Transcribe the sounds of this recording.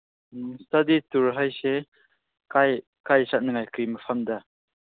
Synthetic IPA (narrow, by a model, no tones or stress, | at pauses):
stadituɾɦajse | kaj | kajsat̚nɯŋajkɯjməpʰamda